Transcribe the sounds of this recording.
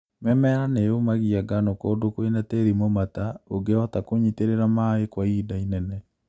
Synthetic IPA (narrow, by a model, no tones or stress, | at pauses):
mɛmɛɾanejomaɣiaɡanɔkɔdokoinateɾimomataoɡeɔtakoɲiteɾeɾamaekwaiːdainɛnɛ